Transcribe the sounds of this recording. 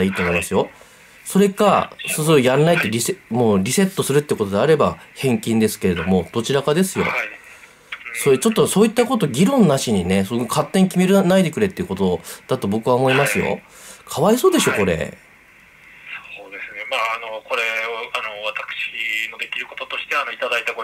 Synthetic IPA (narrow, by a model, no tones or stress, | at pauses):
iːt̪oːmo̞imasɨjo̞ | so̞ɾe̞kasosɨɾojanːait̪ːeɾʲisemoːɾʲise̞t̪ːo̞sɨɾɯ̟t̪ːeiɯ̟ko̞t̪o̞d̪e̞aɾe̞bahẽ̞ŋkʲĩnd̪e̞sɨ̥ke̞ɾe̞d̪o̞mo̞d̪̥o̞t͡ɕiɾakad̪e̞sɨjo̞̰ | soet͡ɕo̞t̪ːoso̞ːit̪ːako̞t̪o̞ɡʲiɾõ̞nːaɕiɲ̟inesookʰat̪ːe̞ɲ̟kʲime̞ɾɯnaid̪e̞kɯ̟ɾe̞t̪ːeɯ̟ko̞t̪o̞d̪̥at̪o̞bo̞kɯβaomo̞imasɨjo̞̰ | kʰaβaiso̞ːd̪e̞ɕo̞ko̞ɾe̞̰ | soːd̪e̞sɨnemaːno̞ko̞ɾe̞oano̞βat̪akɯ̟̥ɕino̞d̪e̞kʲiɾɯ̟ko̞t̪o̞t̪o̞ɕi̥t̪eanoit̪ad̪ait̪ako